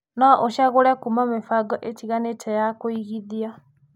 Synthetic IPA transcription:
nɔʔoʃaɣoɾɛkumamefaɡɔʔetiɣanetʰɛjakoiɣiðia

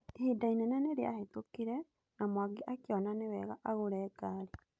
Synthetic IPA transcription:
ehidainenɛneɾia̰hetokiɾe | namwaɡiʔakjɔnanewɛɣaʔaɣoɾɛːkaɾi

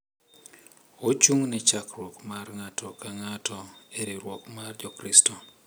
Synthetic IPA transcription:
ot͡ʃuŋnɛt͡ʃakrwokmarŋatʰɔkaŋatʰɔeɾiɾwɔkmard͡ʒɔkɾistɔ

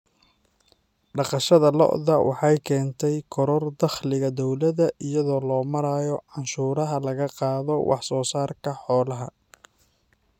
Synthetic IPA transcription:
ɖɑqɑʃɐðɐlɔ̰ʔðɐwʔɑ̰ħɑjkʰɛːnt̪ʰɛjkʰɔɾɔrd̪ɑχlɪɣɐd̪ɔwlɐðɐʔɪjɐðɔːlɔːmɐɾaːjɔʕɑnʃuːɾɐɦɐlɐɣɐqɑːðɔwʔɑ̰ħsɔːsaːrkʰɐħɔːlɐɦɐ̰

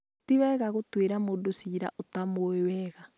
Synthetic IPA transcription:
tiwɛɣaɣotweɾamondosiɾa̰ʔotamoewɛɣa

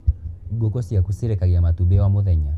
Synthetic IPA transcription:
ɡokosiakuseɾɛkaɣiamatubɛwamoðɛɲa

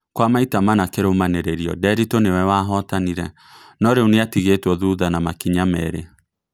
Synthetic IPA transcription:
kwamaitamanakeɾomaneɾeɾiɔ̰dɛɾitonewɛwaɦɔtaniɾɛ | nɔɾeuneatiɣetwɔðuːðanamakiɲamɛɾḛ

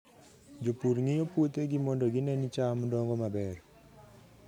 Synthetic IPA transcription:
d͡ʒopuɾŋijopuot̪eɡimɔndɔɡɪnɛnit͡ʃamdɔŋɡɔmabɛɾ

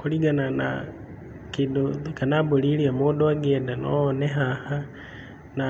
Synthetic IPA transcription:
kuliɡanana̰ | kidokanaboliliamodoaɡedano̰neɦaha | na

